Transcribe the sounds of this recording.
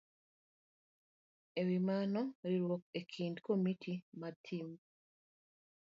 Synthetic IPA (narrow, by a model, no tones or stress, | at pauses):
ewimanoɾiɾwokekʰindkomitʰimatʰim